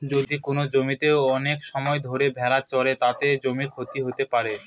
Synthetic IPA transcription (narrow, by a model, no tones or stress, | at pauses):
d͡ʑod̪ikonod͡ʑomit̪eoɔnekʃɔmɔed̪ʱoɾebʱɛɾat͡ɕɔɾet̪at̪ed͡ʑomikʰot̪iɦot̪epaɾe